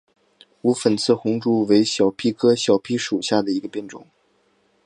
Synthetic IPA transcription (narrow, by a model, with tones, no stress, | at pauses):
u˧˥fə˨˩nt͡sʰɹ̩˥˩xʊ˧˥ŋʈ͡ʂu˥˩we˧˥ɪɕjɑ˨˩ʊpʰi˥kʰɤ˥ɕjɑ˨˩ʊpʰi˥ʂu˨˩ɕja˥˩d̪ə˩i˧˥ɡə˧pjɛ˥˧nʈ͡ʂʊ̰˨˩˦ŋ